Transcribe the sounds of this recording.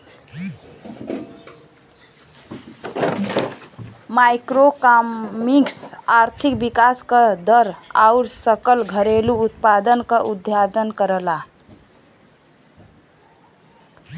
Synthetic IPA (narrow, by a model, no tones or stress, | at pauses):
majkɾokamiksaɾt̪ʰikbikaskəd̪əɾa̰uɾsəkəlɡʱəɾeluːt̪pad̪ənkəʔud̪ʱjad̪ənkəɾəla